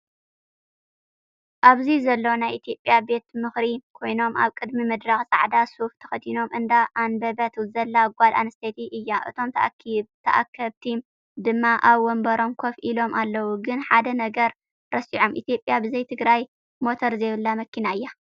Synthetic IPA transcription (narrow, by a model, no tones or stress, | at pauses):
ʔaβzizɐlːownajʔit̪ʰijo̞pʼːjabe̞t̪mɨxɾikʰo̞jno̞mʔa̰βkʼɨd̪mimɨd̪ɾaxt͡sʼa̰ʕd̪asuft̪ʰɐ̥xɐt̪ʰino̞mʔɨnd̪aʔanbɐbɐt̪ʰzɐlːaɡʷala̰nɨst̪ʰet̪ʰiʔɨjːaʔɨ̰t̪ʰo̞mt̪t̪ʰɐʔa̰kʰːɐβt̪ʰim | d̪ɨmːaʔaβwɔmbɐɾomkʰo̞fʔilo̞mʔalːɐwuɡɨnħad̪ɐnɐɡɐɾ | ɾɐsiʕo̞mʔḭt̪ʰijo̞pʼjabɨzɐjt̪ʰɨɡɾaj | mo̞t̪ʰoɾzeβɨlːamɐkːinaɨjːa